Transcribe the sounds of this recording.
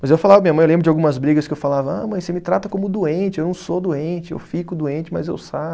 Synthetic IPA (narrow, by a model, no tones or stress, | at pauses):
mɐzewfalavɐmĩɐmɐ̃j̃elẽbɾʊd͡ʒawɡũmɐzbɾiɡɐskɪewfalavɐa̰mɐ̃j̃semɪt̪ɾat̪ɐkõmʊd̪uẽt͡ʃɪewnɐ̃w̃sod̪uẽnt͡ʃɪḛwfikʊd̪uẽnt͡ʃɪmɐ̰zḛwsa